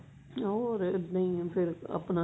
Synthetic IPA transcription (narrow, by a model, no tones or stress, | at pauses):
oːɾnəĩːpʰɪɾə̰pnaː